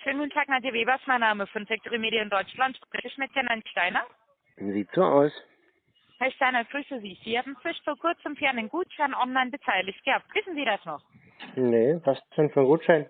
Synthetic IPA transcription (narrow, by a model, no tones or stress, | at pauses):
ʃøːnɡutn̩tʰaːknadiəveːbɐsmaɪnaːməfɔnfɛk̚tʰoʁimeːɾiəɪnd̥ɔʏt͡ʃlantʃpʁ̥ɛsɪçmɪt̚j̥anaɪnʃtaɪnɐ | ziːtz̥oʔa̰ʊs | hɛɐʃtaɪnɐɡ̥ʁyːsəziːz̥iːhaːbm̩ɪʃfoːɐkʰʊɐt͡səmfɛɐnɪnɡ̥uːtʃaɪnʔɔnlaɪnbətʰaɪlɪçɡ̥əhap̚tv̥ɪsn̩ziːɾasnɔχ | nevasʃoːnfɔnɡuːtʃaɪn